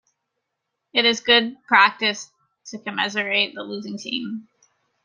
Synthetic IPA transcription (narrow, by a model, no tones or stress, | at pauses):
ɨɾɨzɡʊd̚pʰɹ̥æk̚tɨs | tʰɨkʰɨmɪzə˞eɪt̪̚ðəlʉzɪ̃ŋtʰḭ̃m